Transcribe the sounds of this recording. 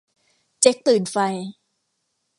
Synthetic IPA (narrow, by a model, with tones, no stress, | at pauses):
t͡ɕe˦˥k̚t̪ɯː˨˩nfa˧j